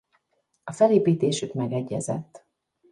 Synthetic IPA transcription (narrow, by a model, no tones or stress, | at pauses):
ɒfɛleːpiːt̪eːʃykmɛɡɛɟːɛ̰zɛ̰t̪ː